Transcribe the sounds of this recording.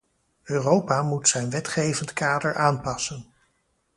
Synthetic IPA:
øːrowpaːmutsɛjnʋɛtχejvəntkaːdəɹʔaːnpɑsən

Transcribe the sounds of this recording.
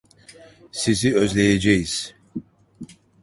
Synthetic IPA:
siziøzlɛjɛd͡ʒɛjiz̥

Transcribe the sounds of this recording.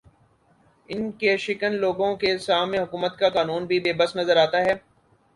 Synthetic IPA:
ɪnkeʃɪkənloːɡõkesaːmẽɦʊkuːmət̪kakaːnuːnbʱibeːbəsnɐzəɾaːt̪aɦɛː

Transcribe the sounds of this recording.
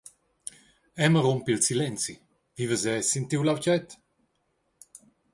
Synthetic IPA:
ɛməɾompilsilɛnsi | vivəzɛsint̪iwlawt͡ʃɛt̪

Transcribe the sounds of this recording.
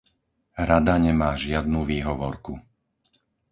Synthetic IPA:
ɾad̪aɲɛmaːʒɪad̪nuːʋiːɦɔʋɔɾku

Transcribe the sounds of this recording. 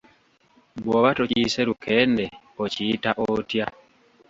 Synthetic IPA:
bwoβatociseɾukʰende | ociːtaʔotja

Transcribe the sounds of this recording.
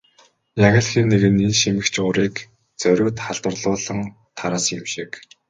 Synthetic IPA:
jaɣăːɮxiːnːeɣɘ̆ninʃimɘ̆kt͡ɕʰʊːɾiːk | t͡sœɾʲʊːt̪χaɮ̥t̪ə̆rɮʊːɮə̆ŋ | t̪ʰaɾaːsɪmʃik

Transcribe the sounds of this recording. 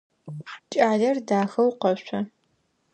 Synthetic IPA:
ħt͡ʃʼaːɮɐrdaːxɐwqɐɕʷɐ

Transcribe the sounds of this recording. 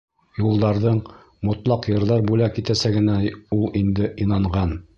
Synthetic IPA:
julˠd̪ɑɾðɤɴ | mŏt̪lˠɑqjɤ̆ɾðɑɾbulækit̪æsæɡɘ̆næulˠind̪ɘʔinɑɴʁɑn

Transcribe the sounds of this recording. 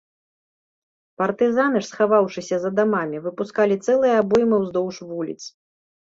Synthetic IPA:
pɐrt̪ɨzanɨʂsxavawʂɨsʲɐzɐd̪amamʲivɨpuskalʲit̪sɛlˠɨjɐabɔjmɨwzd̪ɔwʂvulʲḭt̪s

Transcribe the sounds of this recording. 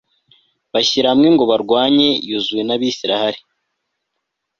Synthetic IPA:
βaɕiɾamŋeŋɡo̞βaɾɡwaːɲe̞juzuje̞naβiːsiɾahaɾi

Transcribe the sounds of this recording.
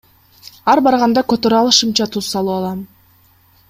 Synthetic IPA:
ɑɾbɑɾʁɑnd̪ɑkøt̪øɾɑlˠɯʃɯmt͡ʃɑt̪ʰuz̥sɑlˠuɑlˠɑm

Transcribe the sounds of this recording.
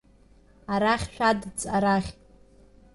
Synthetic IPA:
aɾaχʲʃᶣʷadt͡sʼaɾaχʲtʼ

